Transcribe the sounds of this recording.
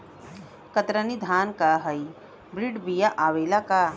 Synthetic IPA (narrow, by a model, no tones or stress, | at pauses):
kɐt̪ɾɐnid̪ʱaːnkaːɦɐi | bɾiɖbijaʔaʋeːlakaː